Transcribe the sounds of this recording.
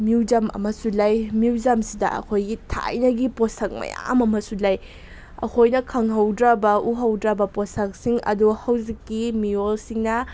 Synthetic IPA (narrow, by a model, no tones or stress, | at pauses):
muwd͡ʒɐmɐ̰mɐsulajmjuwd͡ʒɐmsidɐ̰ʔɐ̰kʰojɡitʰa̰jnɐɡiposɐk̚mɐ̰ja̰mɐmɐsulaj | ɐ̰kʰojnɐkʰɐŋɦɐwdɾabɐuɦɐwdɾɐbɐposɐk̚siŋɐ̰duhɐwzikːimijolsiŋnɐ